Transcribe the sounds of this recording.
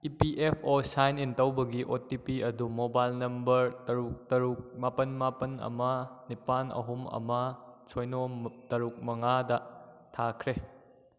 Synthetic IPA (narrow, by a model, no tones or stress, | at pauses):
ipiʔepʰosajnintɐwbɐɡiʔotipiɐdumobajlnɐmbɐɾtɐɾuk̚tɐɾuk̚mapɐnmapɐnɐ̰mɐnipanɐ̰ɦumɐ̰mɐt͡ʃʰojnotɐɾuk̚mɐŋadɐ | tʰakʰɾe